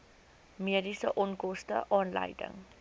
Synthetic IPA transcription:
miədisəʔɔnkɔstə̰ʔɑːnlɐ̰jdə̰ŋ

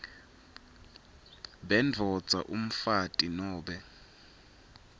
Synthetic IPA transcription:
ɓɛnd͡vʱɔ̥d͡zʱa̰ʔum̩fatʼinɔːɓɛ

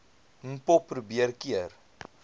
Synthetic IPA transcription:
pɔpːɾubiərkiər

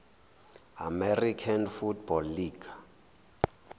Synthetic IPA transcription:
amɛrikʰanfutbɔlːiːɡ̥a

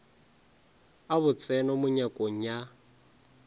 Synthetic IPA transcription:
aβʊt͡sʼɛnɔmʊɲakʼoŋ̩ja

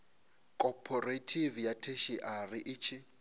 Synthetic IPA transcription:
kʼɔpʰɔretʰivjatʰeʃiʔarɪʔɪt͡ʃʰɪ

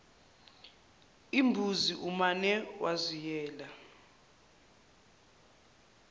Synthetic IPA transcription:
imbʱuziʔumanɛwazijɛːla

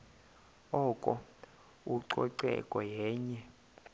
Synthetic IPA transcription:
ɔːkʼɔ | uǀɔǀɛ̰kʼɔjɛːɲɛ

